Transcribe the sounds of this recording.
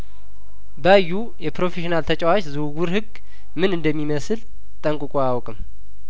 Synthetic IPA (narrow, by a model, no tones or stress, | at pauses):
bəjːu | jɛpɾo̞feʃinalt̪ʰət͡ʃʼawat͡ʃʼzɨwɡuɾhɨɡ | mɨnɨnd̪əmːiməsɨl | t̪ʼəŋkʼɨkʼoawkʼɨm